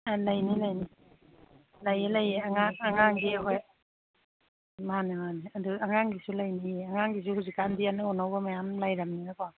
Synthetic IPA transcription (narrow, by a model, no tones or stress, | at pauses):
alajnilajni | lajelajeaŋaŋaŋaŋɡiɦaj | manɯmaneaduaŋaŋɡisulajnieaŋaŋɡis̬uhuzikandijanɯɔnawbamajamlajɾamninaka